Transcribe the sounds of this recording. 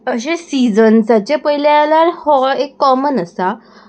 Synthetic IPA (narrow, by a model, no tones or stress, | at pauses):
əɕesid͡zənsat͡ɕepəɦilaalaɾhɔekːɔmənəsa